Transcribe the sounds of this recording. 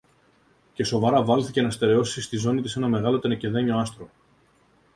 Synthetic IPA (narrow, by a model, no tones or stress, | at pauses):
ce̞so̞vɐɾɐvɐlθice̞nɐst̪e̞ɾe̞o̞sist̪izo̞nit̪ise̞nɐme̞ɣɐlo̞t̪enece̞ðeɲo̞ɐst̪ɾo̞